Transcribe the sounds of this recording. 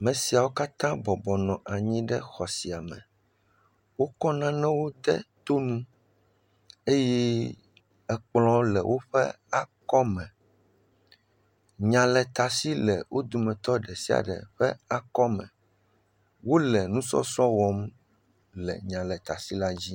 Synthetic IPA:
mɛ̃˨si˨a˨wo˦ka˦t̪ã˦bɔ˨bɔ˨nɔ̃˨ʔa˨ɲĩ˦ɖɛ˦xɔ˨si˨a˨mɛ̰̃˨ | wo˦kɔ˦nã˦nɛ̃˦wo˦d̪ɛ˦t̪o˦nũ˦ | e˦jɛ˦ | ɛ˨k͡plɔ̃˨lɛ˨wʔo˦ɸɛ̰˦ | a˨kɔ˦mɛ̃˨ | ɲã˨lɛ˨t̪a˨si˦lɛ˨wʔo˦d̪u˨mɛ̃˨t̪ɔ˦ɖɛ˨si˦a̰˨ɖɛ̰˨ɸɛ˦a˨kɔ˦mɛ̃˨ | wo˦lɛ˨nũ˦sɔ̰˦sɔ̃˦wɔ˦m | lɛ̰˨ɲã˨lɛ˨t̪a˨si˦la˦d͡ʑi˦

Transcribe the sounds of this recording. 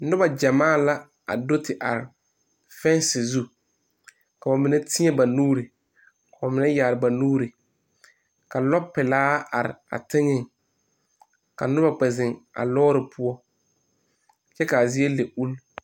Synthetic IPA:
nʊ˦ba˨d͡ʒa˨maː˦˨la˦ | a̰˨do˦tɪ˨ʔa̰˨ɾɪ˨ | fɛ˦nsɪ˨zu˦ | ka˨ba˨mɪ˨nɛ˦tʰɪ˦ɛ˦˨ba˨nuː˦ɾi˨ | mɪ˨nɛ˦jaː˨ɾɪ˨ba˨nuː˦ɾɪ˨ | ka˨lɔ˦pːɪ˨laː˦a˨ɾɪ̰˨a̰˨tɪ˦ŋɪ˦˨ŋ | ka˨nʊ˦ba˨k͡pɛ˨zɪ˨ŋa̰˨lɔː˦ɾɪ˨pʰʊ˦ɔ˦ | t͡ʃɛ˦ka˨zi˦e˦le˨u˦l

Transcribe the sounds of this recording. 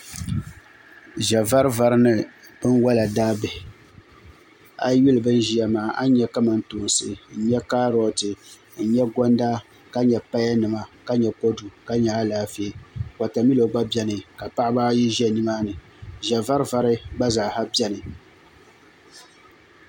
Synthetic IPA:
ʒɛ˨va˦ɾva˦ɾɨ˦nɨ˦˨b̥ɨ˦nwɔ˦la˨daː˦bɨ˨h | a̰˨ju˦lɨ˨bɨ˦n˦ʒi˦ja˨maː˨ʔa˦ɲɛ˦ka˦ma˨n̩˦toː˨n˨sɨ˨n̩˨ɲɛ˦ka˦ɾɔ˦tɨ˨ | n̩˨ɲɛ˦ɡɔ˦nda˦ | ka˦ɲɛ˨pa˦ja˦nɨ˨ma˨ka˦ɲɛ˨ko˦du˨ka˦ɲa˨a˦laː˦fe˦˨ka˨ta˨mi˦lo˨ɡ͡ba˦bɛ˦nɨ˨ka˨pa˦ʔɪ˦ba˦ji˦ʒɛ˦˨ni˦ma˦nɨ˨ | ʒɛ˨va˦ɾva˦ɾɨ˦ɡ͡ba˦za˨ha˦bɛ˦nɨ˨

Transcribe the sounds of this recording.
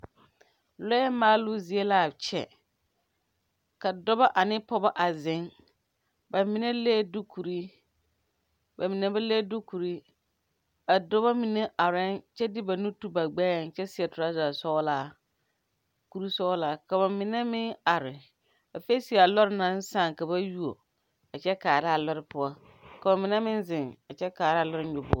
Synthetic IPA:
lɔ˦ɛ˦maː˦lʊ˦zi˨e˦la˦˨t͡ʃɛ̰˨ | ka˨dɔ˦ba˦ʔa˨nɪ˦pɔ˦ba˦ʔa˨zɪ˨˦ŋ | ba˨mɪ˨ne˦leː˦dʊ˦kʰu˨ɾi˦ | ba˨mɪ˨nɛ˦ba˦le˦dʊ˦ku˨ɾi˦ | a˨dʊ˦ba˦mĩ˨nɛ̃˦ʔa˨ɾɪ̃˦nt͡ʃɛ˦dɪ˦ba˨nũ˦tu˦ba˨ɡ͡bɛː˦˨n˨t͡ʃɛ˦sɪ˦ɛ˨tʰʊ˨ɾa˦za˨sɔ˦wla˦˨ | ku˨ɾi˦sɔ˦la˨ka˨ba˨mɪ̃˨nɛ̃˦mɪ̃˦na˨ɾɪ˨ | ɛ˨fe˦si˨a˨lɔ˦ɾɪ˦nã˨n̩˦sã˦˨ŋ˨ka˨ba˦ju˦o˨ | ɛ˨t͡ʃɛ˦kaː˨ɾɪ˦a˨lɔ˦ɾɪ˦pʰʊ˨˦a˦ | ka˨bã˨mɪ̃˨nɛ̃˦mɪ̃˦n˦zɪ̃˨nɛ˨t͡ʃɛ˦kaː˨ɾɪ˦a˨lɔ˦ɾɪ˦ɲʊ˨bʊ˦

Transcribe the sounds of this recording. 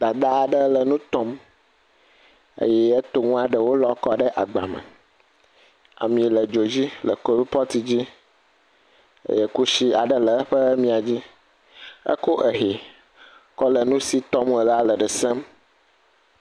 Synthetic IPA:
d̪a˨d̪a˦a˨ɖə˦lə˨nũ˦t̪ɔ˦m | ə̰˦jɛ˦ə˦t̪o˦ŋũ˦a˨ɖə˦wo˦lɔ˦kɔ˦ɖə˦ʔa˨ɡ͡ba̰˨mə̰˨ | a̰˨mĩ˨lə˨d͡ʒo˨d͡ʑi˦lə̰˨ko˦bi˦pɔ˦t̪i˦d͡ʑi˦ | ə̰˦jɛ˦ku˦ʃi˦a˨ɖə˦lə˨˦ɸə˦mĩ˦a˨d͡ʑi˦ | ə̰˦ko˦ʔə˨ɦe˨ | kɔ˦lə˨nũ˦si˦t̪ɔ˦mə˨la˦lə˨ɖə˨sɛ˦m

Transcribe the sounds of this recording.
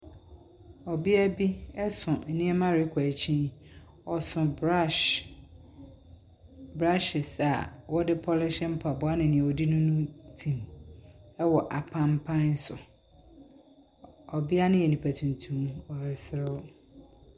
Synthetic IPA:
ɔ˨bi˦æ˦bi˦ɛ˦sʊ̃˨n̩˦nĩ˦ɛ˦mã˦ɾɪ˦kʰaæ˨t͡ɕʰĩ˦ | ɔ˨sʊ̃˨˦ | bɾa˦ʃɪ˨sa˨wɔ˦dɪ˦pʰɔ˦lɪ˦ʃɛ̃˦m̩˦pʰa˨bʊ˦a˦nɪ̃˨nɪ̃˨wo˨di˦nʊ̃˦nʊ̃˦tʰĩ˨m | ɛ˦wɔ˨ʔa˨pʰã˦m˦pʰã˦n˦sʊ˨ | ɔ˨bɪ˦a˦nʊ̃˦jɛ˨nĩ˨pʰæ˨tʰũ˨n˨tʰũ˦mɔ˨ɾɪ˨sɪ˦ɾɪ˦

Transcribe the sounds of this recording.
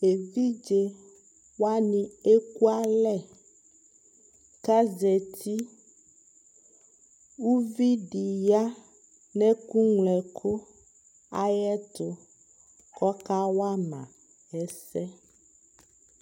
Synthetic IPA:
e˨vi˦d͡ʒe˨ | wa˦nĩ˨e˦ku˦a˦lɛ˦ | ka˦zɛ˨t̪ʰi˦ | wu˦vi˦ɖi˨ja˦ | nɛ̃˦ku˦ŋlɛ˨kʰo˦ | a˦jɛ˦t̪ʊ˨ | kɔ˦ka˦wa˦nã̰˨ | ɛ˦sɛ˦

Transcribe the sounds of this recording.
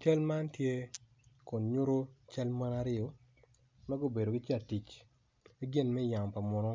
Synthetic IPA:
t͡ʃɐ˦lma˦ntje˦ | kʊ˨nɲʊ˦ɾo˦t͡ʃɐ˦lma˦na˦ɾɪ˦ɔ˨ | mɛ˦ɡo˦be˨do˨ɡi˦t͡ʃe˦a˨ti˨t͡ʃ | i˦ɡɪ˦nmɛ˦ja˨mpa˨mɔ˨nɔ˦

